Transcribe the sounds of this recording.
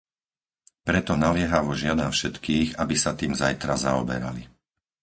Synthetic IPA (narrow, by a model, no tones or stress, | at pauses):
pɾɛt̪ɔnalɪɛɦaʋɔʒɪad̪anfʃɛt̪kiːɣabisat̪iːmzajt̪ɾazaɔbɛ̰ɾa̰li